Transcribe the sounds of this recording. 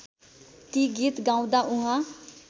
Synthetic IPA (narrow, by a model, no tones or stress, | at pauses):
t̪iɡiːt̪ɡãːũd̪aːʔʊ̃ɦã